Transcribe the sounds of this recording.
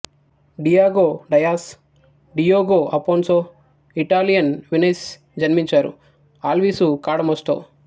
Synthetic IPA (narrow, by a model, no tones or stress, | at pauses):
ɖijaːɡoːɖɐjaːs | ɖijoːɡoːʔɐpoːnsoː | iʈaːlijɐnʋines | d͡ʒɐnmiɲt͡ʃaːɾṵ | aːlʋiːsukaːɽɐmosʈ̪o̰ː